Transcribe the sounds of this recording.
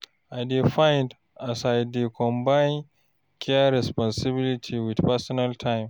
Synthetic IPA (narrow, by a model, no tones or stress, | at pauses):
ʔajdifajnd | ʔasajdikʰɔ̃mbajn | kʰɛɾɛspɔnsɪbilitʰiwidpasɔnaltʰajm